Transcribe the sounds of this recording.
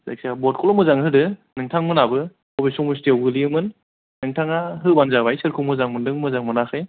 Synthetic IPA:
za̰k̚sabɔt̚kʰɔlɔmɯzaŋɦɯdɯnɯŋtʰaŋmɯnabɯ | ɔbesɔŋmustewbɯliɯmɯn | nɯŋtʰaŋaɦɯbanzaβajsɯɾkʰumɯzaŋmɯndɯŋmɯzaŋmɯnaxɯj

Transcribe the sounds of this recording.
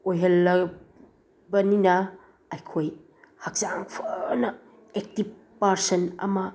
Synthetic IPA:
ojɦɐlːɐ | bɐninɐ | ɐjkʰoj | hɐk̚t͡ʃaŋpʰɐnɐ | ek̚tib̚ | pːaɾsɐnɐ̰mɐ

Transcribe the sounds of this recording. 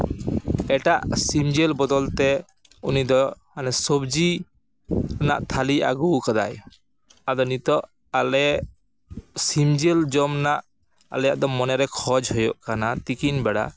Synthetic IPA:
ɛʈaʔsimd͡ʒɛlbɔd̪ɔlt̪ɛ | unid̪ɔ | anɛsɔbd͡ʒi | na̰ʔt̪ʰalia̰ɡukad̪a̰j | ad̪ɔnit̪ɔʔ | alɛ | simd͡ʒɛld͡ʒɔmnaʔ | a̰lɛjaʔd̪ɔmɔnɛɾɛkʰɔd͡ʒhɔjɔʔkanat̪ikinbɛɽa̰

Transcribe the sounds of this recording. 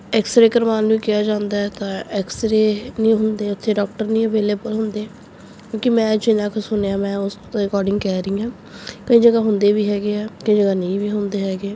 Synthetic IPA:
ɛkst̪ɾeːkəɾʋaːnuiːkɪjaːd͡ʒãːnd̪aːɛːt̪ãːɛkst̪ɾeːnĩːɦʊnd̪eːʊt̪ʰːeːɖɔːk̚ʈəɾnĩːəʋeːleːbəlɦʊnd̪eː | kjõːkɪmɛ̃ːd͡ʒɪnãːkʰsʊneãːmɛ̃ːʊs | ɾɪkɔːɾɖɪ̃ŋɡkɛːɾəiːãː | kəĩːd͡ʒəɡaːɦʊnd̪eːʋiːɦɛːɡeːɛːkəĩːd͡ʒəɡaːnəĩːʋiːɦʊnd̪eːɦɛːɡeː

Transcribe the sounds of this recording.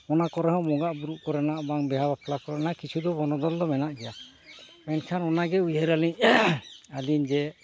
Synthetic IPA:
ɔnakɔɾɛɦɔ̃mɔɡaʔbuɾuʔkɔɾɛnaʔbaŋbɛɦabapʰlakɔɾɛnakit͡ʃʰud̪ɔbɔnɔd̪ɔld̪ɔmɛnaʔɡɛja | mɛnkʰanɔnaɡɛujɦɛɾaliɲ | aliɲd͡ʒɛ

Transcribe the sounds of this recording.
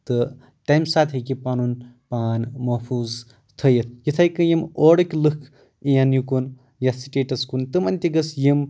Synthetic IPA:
t̪ɨ | ʈajmsaːt̪ʰɦɐkʲipaːnunpaːnmɐɦpʰuːz | t̪ʰɐjɐt̪̚ʰjit̪ʰajkɨjimoːɽɐkʲlɨkʰ | ijanjukun | jasiʈeːʈɐskunt̪ɨmɐnʲt̪ʲiɡɐsjim

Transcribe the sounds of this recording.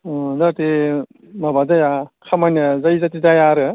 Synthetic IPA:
daɾte | mabadajakʰamanazajzatidajaɾɯ

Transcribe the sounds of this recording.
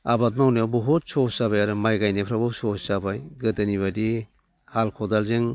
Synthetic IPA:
abat̚mawnɯbɔɦut̚sɔsabajaɾɯmajɡajnepʰɾabɯsɔsabajɡɯtɯniβadi | halkʰɔdalzɯŋ

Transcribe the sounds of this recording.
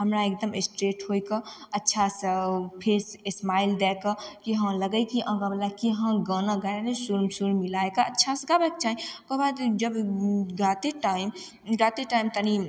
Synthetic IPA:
həmɾaek̚d̪əmesʈɾeʈɦojkəətːʃʰasəpʰesesmaild̪ɛkəkiɦə̃ləɡəjkiʔə̃ɡablakiɦə̃ɡənaɡaɾanesuɾmsuɾmilaekaətːʃʰasəɡabək̚t͡ʃaɦĩkoɦbad̪d͡ʒəbɡat̪eʈaim | ɡat̪eʈaimt̪əni

